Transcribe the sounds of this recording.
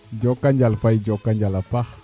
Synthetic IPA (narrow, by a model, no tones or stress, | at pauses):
d͡ʒɔkːaɲd͡ʒalfajd͡ʒokːaɲd͡ʒalapax